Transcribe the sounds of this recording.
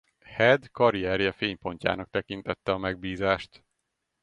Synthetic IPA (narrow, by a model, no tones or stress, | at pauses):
hɛd̪kɒɾiɛɾjɛfeːɲpo̞ɲca̰ːnɒk̚t̪ɛkint̪ɛt̪ːɛɒmɛɡ̚biːzaːʃt̪